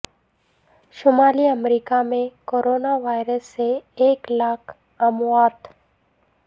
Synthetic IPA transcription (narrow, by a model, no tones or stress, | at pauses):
ʃʊmaːliəmɾiːkamẽkoːɾoːnaʋaːɪɾəsːeeːklaːkʰ | ɐmwaːt̪